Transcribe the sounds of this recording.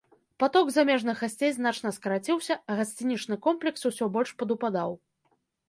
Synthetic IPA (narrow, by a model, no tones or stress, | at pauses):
pat̪ɔɡzamʲɛʐnɨɣasʲt͡sʲejzn̪at͡ʂnɐskɐɾat͡sʲiwsʲɐɣasʲt͡sʲinʲit͡ʂnɨkɔmplʲɛksusʲɔbɔlʲʂpɐd̪upad̪aw